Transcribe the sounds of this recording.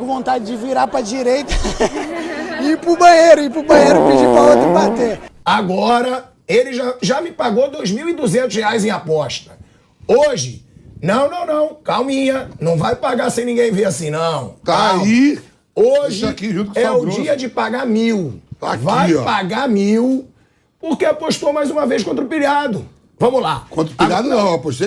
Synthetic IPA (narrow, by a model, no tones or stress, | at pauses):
kʊvõnt̪ad͡ʒɪd͡ʒɪviɾapɾɐd͡ʒiɾejt̪ɐ̥ | ipɾʊbɐ̃jejɾʊipɾʊbɐ̃jejɾʊpɪd͡ʒipɾɐot̪ɾɐpɾat̪eaɡɔɾɐ | elɪʒaʒamɪpaɡod̪ojzmiwid̪uzẽnt̪ʊsheajzẽj̃apɔʃt̪ɐ̥ | oʒɪnɐ̃w̃nɐ̃w̃nɐ̃w̃kawmĩɲɐnɐ̃w̃vajpaɡasẽj̃nĩɡẽj̃veɾasĩnɐ̃w̃t̪ai | oʒɪakiʒũt̪kɛʊd͡ʒiɐd͡ʒɪpaɡamiwt̪a̰vajɔ̰paɡamiw | poɾkeapoʃt̪omajzũmɐvejs̬kõnt̪ɾʊpilad̪ʊ | vɐ̃mʊla̰kõt̪ɾʊpiʎad̪ʊnɐ̃w̃apoʃt̪